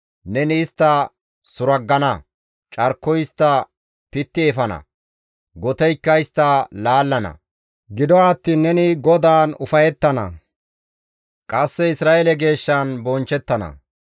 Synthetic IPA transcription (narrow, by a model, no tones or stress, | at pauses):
nɛnɪːst̪ːɐ | sʊɾɐɡːɐnɐ | t͡ʃʼɐɾkːɔjɪst̪ːɐ | pɪt̪ːɪɛfɐnɐ̰ | ɡɔt̪ɛjkːɐɪst̪ːɐlaːlːɐnɐ̰ | ɡɪd̪ɔwaːt̪ːiːnːɛnɪɡɔd̪aːnʊfɐjɛt̪ːɐnɐ̰ | kʼɐsːɛɪsɾaːʔelɛɡe̞ːʃːanbɔnt͡ʃːɛt̪ːɐnɐ̰